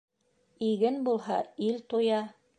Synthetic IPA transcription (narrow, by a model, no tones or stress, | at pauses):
iɡɘnbulˠhɑilt̪ujɑ